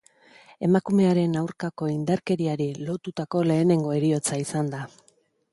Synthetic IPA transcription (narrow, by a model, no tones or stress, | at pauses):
e̞makume̞aɾe̞nawɾkako̞ind̪aɾke̞ɾiaɾilo̞t̪ut̪ako̞le̞ːne̞ŋɡo̞e̞ɾio̞t͡saisand̪a